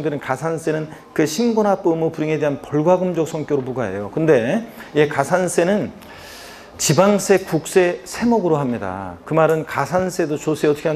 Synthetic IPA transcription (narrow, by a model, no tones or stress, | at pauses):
ŋdɯɾɯnkasʰans͈e̞nɯnkɯɕʰinɡonap͈ɯmopuɾiŋe̞de̞ɦanpʌɭɡwaɡɯmd͡ʑʌk̚s͈ʰʌŋk͈joɾoboɡaɦe̞̰jokɯnde̞jekasʰans͈ʰe̞nɯn | t͡ɕibaŋsʰe̞kuk̚s͈e̞sʰe̞moɡɯɾoɦamɲida̰kɯmaɾɯnkasʰans͈ʰe̞dot͡ɕos͈ʰeʌtʰʌkʰea